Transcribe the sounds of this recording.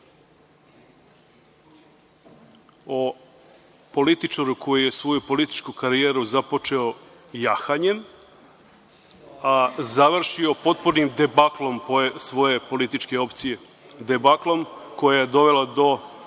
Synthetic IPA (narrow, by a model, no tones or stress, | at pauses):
o | po̞lit̪it͡ʃaɾuko̞juje̞sʋo̞jupo̞lit̪i̥t͡ʃkukaɾijeːɾuzapo̞t͡ʃe̞o̞ | jaxaɲe̞m | azaʋr̩ʃio̞po̞t̪̚puɾnimd̪ebaklˠo̞mposʋo̞je̞po̞lit̪it͡ʃke̞o̞pt̪sije̞ | d̪ebaklˠo̞mko̞jajed̪o̞ʋe̞lad̪o̞